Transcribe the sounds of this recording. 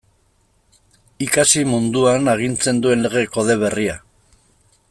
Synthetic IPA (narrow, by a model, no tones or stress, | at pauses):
ikasimund̪uanaɣ̞int͡se̞nd̪ue̞nle̞ɣ̞e̞ko̞ð̞e̞β̞e̞ria